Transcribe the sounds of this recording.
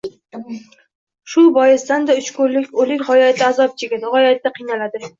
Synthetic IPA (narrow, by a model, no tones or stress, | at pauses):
ʃʊbɒjɪzsd̪and̪aʊt͡ʃkʊɾlɪkʲolɪkʲhɒjat̪t̪ɪːzɒp̚t͡ʃʰeɡʲad̪ɪhɒjat̪d̪aqʰɨjnalad̪ɪ